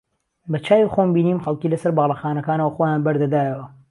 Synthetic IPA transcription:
bɐt͡ʃʰaːwixombiːniːmxɐlˠkiːlɐsɐɾbɑɣlˠɐxaːnɐkaːnɐwɐxojaːnbɐɾd̪ɐd̪aːjɐwɐ

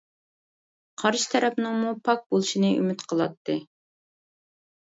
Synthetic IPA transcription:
qʰɑɾʃɨ̥t̪ʰɛɾɛpnɨŋmupʰɑk̚bolˠɨʃinɨy̰mɪt̪qʰəlˠɑt̪ʰːɨ

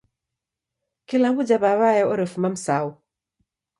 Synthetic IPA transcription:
kilabud͡ʒabaβajɛɔɾɛfumam̩sau

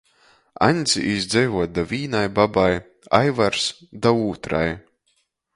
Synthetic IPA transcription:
a̰ɲʲd̪zʲiʔizd̪zʲɛjvuɔt̪̚d̪avʲiːnajbabaj | ajvaɾsd̪auːt̪ɾa̰j

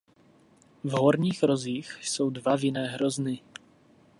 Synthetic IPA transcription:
vɦoɾɲiːxɾoziːxso̞wdvavɪnɛːɦɾoznɪ

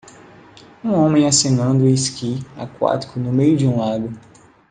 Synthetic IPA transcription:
ũõmẽj̃asĩnɐ̃nd̪ʊiskia̰kwa̰t͡ʃi̥kʊnʊmejʊd͡ʒiũlad̪ʊ

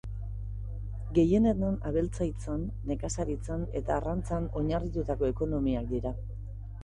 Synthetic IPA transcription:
ɡe̞je̞net̪nanaβe̞lt͡sajt͡sanːe̞kasaɾit͡sane̞t̪aːrant͡sano̞ɲarit̪ut̪ako̞e̞ko̞no̞miak̚d̪iɾa

